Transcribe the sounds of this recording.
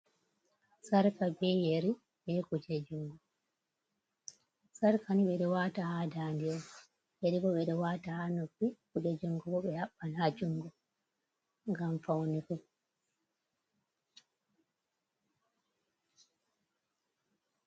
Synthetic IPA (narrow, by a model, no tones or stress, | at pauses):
saɾkabɛjeɾi | ɓɛkud͡ʒed͡ʒuŋɡɔ | saɾkʰaniɓɛɗɔwaːtahaːdandiɔ | jeɾiɓɔɓɛɗɔwaːtahanopːikud͡ʒed͡ʒuŋɡɔɓɔɓɛhaɓːalhad͡ʒuŋɡɔ | ŋɡamfawnikɔ